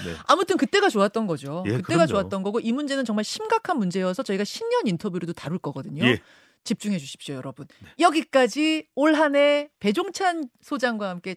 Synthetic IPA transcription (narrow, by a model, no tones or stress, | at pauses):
amutʰɯnkɯt͈e̞ɡat͡ɕoat̚t͈ʌnɡʌd͡ʑokɯt͈e̞ɡat͡ɕoat͈ʌnɡʌɡoʔimund͡ʑe̞nɯnt͡ɕʌŋmaɭɕʰimɡakʰanmund͡ʑe̞jʌsʰʌt͡ɕʌiɡaɕʰimɲʌnintʰʌbjuɾɯdotaɾuɭk͈ʌɡʌdɯɲo | t͡ɕip̚t͡ɕ͈uŋɦe̞d͡ʑuɕʰi̥p̚ɕ͈ojʌɾʌbunjʌɡik͈ad͡ʑioɭɦane̞pe̞d͡ʑoŋt͡ɕʰansʰod͡ʑaŋɡwahamk͈e̞